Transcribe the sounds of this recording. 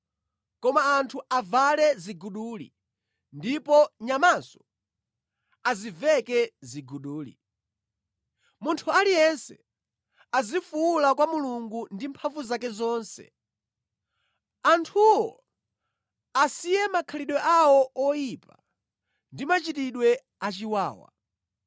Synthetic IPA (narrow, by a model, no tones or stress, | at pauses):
kɔmaːntʰuʔavalɛziɡuɗulḭ | ndipɔɲamansɔ̥ | azivɛkɛziɡuɗuːlḭ | muntʰualijɛnsɛ | azifuulakwamuluŋɡundimpʰaɱvuzakɛzɔːnsɛ̰ | antʰuwɔ | asijɛmakʰaliɗwɛʔawɔɔjipa | ndimat͡ʃitiɗwɛ | at͡ʃiwaːwa̰